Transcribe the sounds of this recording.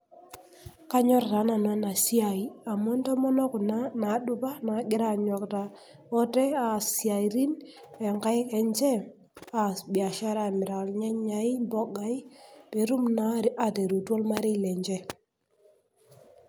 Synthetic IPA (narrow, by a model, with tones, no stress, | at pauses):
ka˦ɲɔ˦ɾta˨˦na˨na˨˦na˨si˦a˨i˨a˨mɔ˦ntɔ˦mɔ˦nɔ˦ku˨na˦na˨˦dʊ˦ba˦na˨˦ɡɪ˦ɾa˨ɲɔ˨kta˨ | ɔ˦tɛ˦a˨si˨a˨i˨ɾi˦n | ɛ˨ŋka˦jkɛ˨nt͡ʃɛ˦ | a˨bja˨ʃa˦ɾa˨mɪ˨ɾa˨lɲa˦ɲa˨˦i˦mbɔ˦ɡa˦i˦pe˨ɾu˦mna˨˦a˨te˨ɾu˨twɔ˦lma˦ɾi˦˨lɛ˨ɲd͡ʒɛ˦